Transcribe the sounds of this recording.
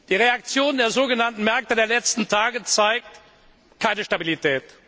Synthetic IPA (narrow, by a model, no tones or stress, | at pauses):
d̥iːʁeak̚t͡sjoːndeːɐzoːɡənantn̩mɛɐk̚tədeːɐlɛt͡stn̩tʰaːɡət͡saɪk̚t | kʰaɪnəʃtabilitʰɛːt